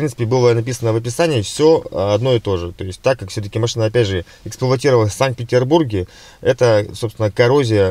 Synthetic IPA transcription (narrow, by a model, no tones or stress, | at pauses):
ɾʲinsɨ̥pʲɪbɨlˠənɐpʲisənəvɐpʲɪsanʲɪːfsʲo̞ɐd̪no̞ɪt̪o̞ʐɨt̪o̞ɪsʲt̚ʲt̪akːakfsʲɵt̪əkʲɪmɐʂɨnəɐpʲædʲʐɨ | ɪksplˠɐtʲiɾəvələfʲsank̪̚pʲɪtʲɪrburɡʲɪ | ɛt̪əso̞pst̪vʲɪnəkɐɾo̞zʲɪjə